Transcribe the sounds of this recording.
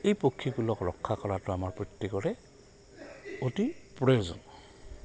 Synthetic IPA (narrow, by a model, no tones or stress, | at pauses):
ejpokʰːibulɔkɹɔkʰːakɔɹatʊamaɹpɹitːikɔɹɛ | otipɹezɔ̰n